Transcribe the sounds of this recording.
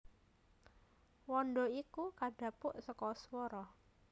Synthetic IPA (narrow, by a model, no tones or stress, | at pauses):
wɔɳɖɔikukaɖ̥ä̤pʊʔsəkɔswɔɾɔ